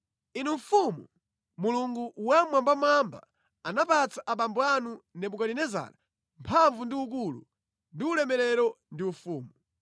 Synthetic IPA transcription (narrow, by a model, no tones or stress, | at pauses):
inuɱfumu | muluŋɡuwamwambamamba̰ | anapat͡saʔapambɔanunɛpukalinɛza̰ːɾa | mpʰaɱvundiuk̬ulṵ | ndiulɛmɛɾɛɾɔ | ndiufuːmu